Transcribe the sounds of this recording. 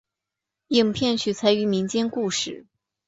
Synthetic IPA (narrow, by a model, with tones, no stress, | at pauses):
ji˨˩ŋpʰjɛ˥˩nɕʰy˨˩t͡sʰa˧˥ɪy˧˥mi˧˥ŋt͡ɕjɛ˥nku˥˧ʂɻ̩˥˩